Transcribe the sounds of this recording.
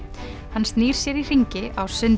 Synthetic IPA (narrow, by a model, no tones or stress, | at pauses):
hansniːɾ̥sjɛɾir̥iɲcɪʔawsʏn